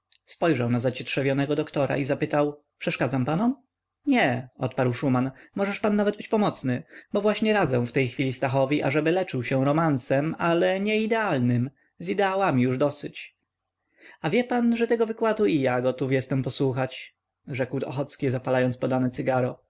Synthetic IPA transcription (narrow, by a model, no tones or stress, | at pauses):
spɔjʐawnazat͡ɕɛtʂɛvʲjɔnɛɡɔd̪ɔkt̪ɔɾa̰ʔizapɘt̪aw | pʂɛʂkad̪zampanɔm | ɲɛɔt̪paɾwʂumanmɔʐɛʂpanːavɛd̪̚bɘt͡ɕpɔmɔt̪snɘbɔvwaɕɲɛɾad̪zɛ̃w̃ft̪ɛjxfʲilʲist̪axɔvʲiʔaʐɛbɘlɛt͡ʂɘwɕɛwɾɔmansɛmalɛɲɛid̪ɛalnɘm | zid̪ɛawamʲijuʐd̪ɔsɘt͡ɕ | avʲjɛpanʐɛt̪ɛɡɔvɘkwad̪uijaɡɔt̪ufjɛst̪ɛmpɔswuxat͡ɕ | ʐɛkwɔ̰xɔt̪skʲizapalajɔnt̪spɔd̪anɛt̪sɘɡaɾɔ